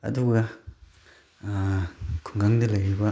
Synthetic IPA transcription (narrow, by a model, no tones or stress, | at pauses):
ɐ̰duɡɐ | kʰuŋɡaŋdɐlɐjɾibɐ